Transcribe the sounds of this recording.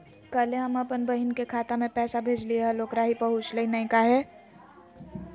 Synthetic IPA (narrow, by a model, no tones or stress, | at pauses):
kəleɦɐməpənbəɦɪnkekʰaːt̪amẽpɛːsabʱeːd͡ʒlieɦɛloːkɾaɦipəɦʊt͡ʃleinɐĩkaɦɛː